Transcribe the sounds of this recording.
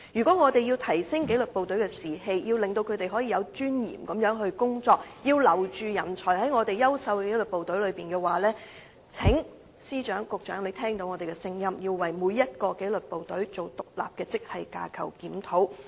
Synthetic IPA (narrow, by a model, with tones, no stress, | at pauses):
jyː˨˩kɔː˨˥ŋɔː˨˧t̪e˨jiː˧wt̪ʰɐ˨˩jsɪ˥ŋke˨˥jlɵ˨t̚po˨wt̪ɵ˨˥ɥkɛː˧siː˨ɦe˧jjiː˧wlɪ˨ŋt̪o˧wkʰɵ˨˧ɥt̪e˨jɦɔ˨˥jiː˨˧jɐ˨˧wt͡ʃyː˥njḭː˨˩mkɐ˨mjœː˨˥ŋɦɵ˧ɥkʊ˥ŋt͡sɔː˧k̚jiː˧wlɐ˨˩wt͡ʃyː˨jɐ˨˩nt͡sʰɔː˨˩jhɐ˨˥jŋɔː˨˧t̪e˨jɐ˥wsɐ˧wke˨˥lɵ˨t̚po˨wt̪ɵ˨˥ɥlɵ˨˧piː˨nkɛː˧waː˨lɛː˥ | t͡sʰɪ˨˥ŋ | siː˥t͡ʃœː˨˥ŋkʊ˨k̚t͡ʃœː˨˥ŋle˨˧˥t̪ʰɛː˥ŋt̪o˧wŋɔː˨˧t̪e˨˩kɛ˧sɪ˧ŋjɐ˥mji˧wwɐ˨jmuː˨˧jːɐ˥t̚kɔː˧ke˨˥jlɵ˨t̚po˨wt̪ɵ˨˥ɥt͡so˨wt̪ʊ˨k̚la̰ː˨p̚kɛː˧t͡sɪ˥k̚hɐ˨jka̰ː˧kʰɐ˨˩wkiː˨˥mt̪ʰo˨˥w